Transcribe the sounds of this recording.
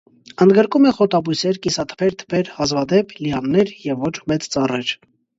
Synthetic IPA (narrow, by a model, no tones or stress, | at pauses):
ənd̪ɡəɾkumɛχɔt̪ɑbujsɛɾkisɑt̪ʰə̥pʰɛɾt̪ʰə̥pʰɛɾhɑzvɑd̪ɛpʰliɑnːɛɾjɛvːɔt͡ʃʰmɛt͡st͡sɑrɛɾ